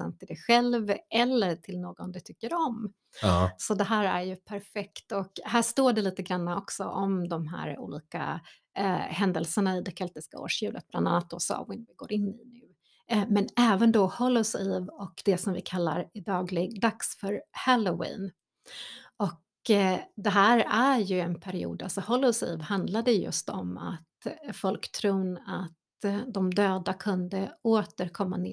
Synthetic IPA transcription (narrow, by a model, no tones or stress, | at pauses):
a̰nt̪ʰːɪld̪ɛɧɛlvɛlːəʈʰɪlnoːɡɔnd̪ɛt̪ʰʏkːəɾɔm | sɔd̪ɛɦæːɾæ̰ɾjɵpʰæɾfɛkt̪ɔkhæːʂt̪oːɖɛliːt̪əɡɾanːaɔksɔ̰ʔɔmd̪ɔmɦæ̰ːɾṵːliːka̰ | hɛnd̪əlsəɳaɪd̪ɛkʰɛlt̪ɪska̰o̰ːʂjʉ̟ːlʔət̪bland̪anːat̪̚d̪ɔ̰sɔ̰wɪnvɪɡo̰ːɾɪnːɪnʉː | mɛnɛːvənd̪ɔhɔlːɔsɪvɔkd̪ɛsɔmvɪkʰalːa̰ɾæɖɑːɡlɪɡd̪aksfœɾhɛlʊwḭːn | ɔk | d̪ɛɦæːɾæɾjɵɛnpʰæɾɪṵːd̪alsɔhɔlʊsḭːvhand̪lad̪ɛjɵ̰st̪ɔma̰t̪fɔlkt̪ʰɾuːnat̪ | d̪ɔmd̪øːd̪akʰɵnd̪əoːt̪əɾkʰɔmːa̰ne